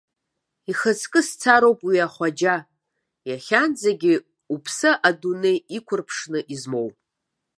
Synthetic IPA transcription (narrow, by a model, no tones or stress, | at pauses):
iχət͡sʰkʼɨst͡sʰaɾowpʼwiaχʷad͡ʒa | jaχʲand͡zaɡʲɪ | upʰsɨʔadunejikʷʰʊrpʰʂnɨʔizmo̞wpʼ